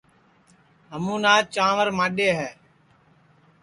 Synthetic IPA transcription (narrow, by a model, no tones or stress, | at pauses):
ɦəmũːnaːt͡ʃãːʋəɾmãːɗeːɦɛː